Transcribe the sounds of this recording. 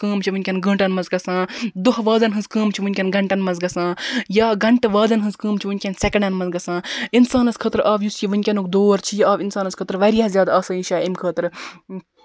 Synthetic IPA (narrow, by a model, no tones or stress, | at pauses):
kəːmt͡ʃʰiʋɨnʲkʲɐnɡə̃ːɳʈɐnmɐnzɡɐsãːd̪oɦʋaːzɐnɦɨnzkəːmt͡ʃʰiʋɨnʲkʲɐnɡɐɳʈɐnmɐzɡɐsãːjaːɡɐɳʈʋaːd̪ɐnɦɨ̃nzkəːmt͡ʃʰiʋɨnʲkʲɐnsekɐɳɐnmɐnzɡɐsãːinsaːnɐskʰəːt̪ɾʔaːʋjusjiʋɨnʲkʲɐnukd̪oːɾt͡ʃʰijiaːʋinsaːnɐskʰəːt̪ɾʋɐɾijaːzʲjaːd̪aɐːsɐːĩʃaːimkʰəːt̪ɾ